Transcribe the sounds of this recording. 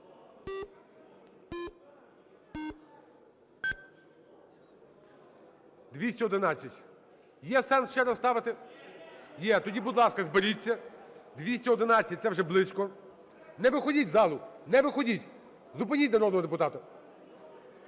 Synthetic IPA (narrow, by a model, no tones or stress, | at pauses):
d̪ʋʲisʲtʲɛɔd̪ɪnɑt͡sʲːɐtʲ | jɛsɛnsʃt͡ʃɛɾɐst̪ɑʋɪt̪ɪ | jɛt̪ɔdʲibʊd̪lˠɑskɐzbeɾʲit͡sʲːɐd̪ʋʲisʲtʲɐɔd̪ɪnɑt͡sʲːɐt̚ʲt̪ɛwʒɛblˠɪsʲkɔ | nɛʋɪxɔdʲitʲzɑlˠʊnɛʋɪxɔdʲitʲ | zʊpɪnʲitʲnɐɾɔd̪nɔɦɔd̪epʊt̪ɑt̪ɐ